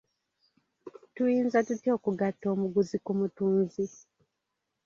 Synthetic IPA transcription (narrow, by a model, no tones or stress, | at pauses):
tujiːnzatutio̞ːkuɡatːo̞ːmuɡuzikumutuːnzi